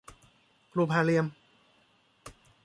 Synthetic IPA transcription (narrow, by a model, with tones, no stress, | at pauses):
kluː˧˩pʰaː˧˩li˧əm